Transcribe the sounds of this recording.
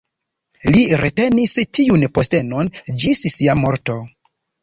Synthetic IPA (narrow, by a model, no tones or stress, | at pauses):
liɾete̞nistiunpo̞ste̞nond͡ʒissiamo̞ɾto̞